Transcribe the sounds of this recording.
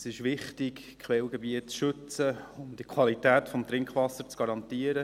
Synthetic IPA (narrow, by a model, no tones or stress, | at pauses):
sɪʃʋɪχtɪk | kχʋɛlɡɛbiətsʃɵt͡səʊmd̥ikʰwɑlitæːt̪fɔmt̪ɾɪŋkχʋɑsəɾt͡sɡ̥ɑɾɑnt̪iəɾə